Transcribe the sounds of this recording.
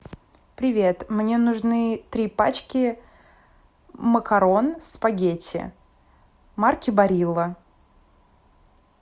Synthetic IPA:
pɾʲɪvʲe̞t̪mnʲe̞nʊʐnɨt̪ɾʲipa̰t͡ɕkʲɪ | məkɐɾo̞nspɐɡʲetʲɪ̰ | markʲɪbɐɾʲilˠə

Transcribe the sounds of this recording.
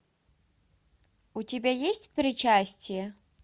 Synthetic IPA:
utʲɪbʲajesʲtʲpɾʲɪt͡ɕasʲtʲɪjɛ

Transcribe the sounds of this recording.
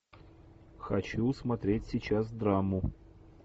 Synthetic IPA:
xɐt͡ɕusmɐt̪ɾʲetʲsʲɪt͡ɕasd̪ɾamʊ

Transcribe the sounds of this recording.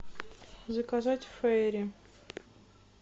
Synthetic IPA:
zɨkazatʲfɛɾʲɪ

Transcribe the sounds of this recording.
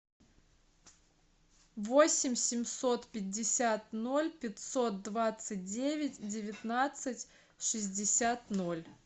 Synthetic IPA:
vo̞sʲɪmʲsʲɪmʲso̞t̪pʲɪdʲːɪsʲat̪no̞lʲpʲɪt̪sot̪̚d̪vat̪sɨt̚ʲdʲevʲɪtʲdʲɪvʲɪt̪nat̪sɨtʲ | ʂɨzʲdʲɪsʲat̪no̞lʲ

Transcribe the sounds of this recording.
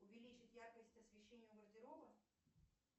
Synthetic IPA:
ʊvʲɪlʲit͡ɕɪt̪ʲjarkəsʲtʲɐsvʲɪɕːenʲɪjʊɡərd̪ʲɪɾovə

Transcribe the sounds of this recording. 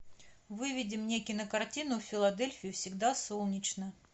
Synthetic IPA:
vɨvʲɪdʲɪmnʲekʲɪnəkɐrtʲinʊfʲɪlˠɐd̪elʲfʲɪjʊfsʲɪɡd̪asolˠnʲɪt͡ɕnə

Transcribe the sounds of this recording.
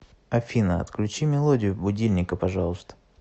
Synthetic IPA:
ɐfʲinəɐ̰t̪klʲʉt͡ɕimʲɪlˠodʲɪjʊbʊdʲilʲnʲɪkəpɐʐɑlˠəst̪ə̥

